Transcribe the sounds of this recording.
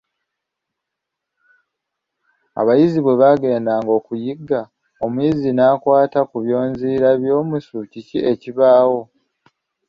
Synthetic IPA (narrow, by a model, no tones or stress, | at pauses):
a̰βajiziβwe̞βaɡe̞ːndaŋɡo̞ːkujiɡa | omuizinaːkwaːtakuβjo̞ːnziːɾaβjo̞ːmusucicie̞ciβaːwo̞